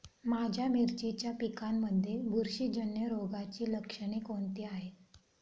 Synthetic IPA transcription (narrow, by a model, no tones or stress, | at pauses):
mad͡ʑʱjamiɾt͡ɕit͡ɕjapikamːəd̪ʱːjebuɾɕid͡ʑənjəɾoɡat͡ɕiːləkʂəɽ̃ekoɳt̪iːaɦe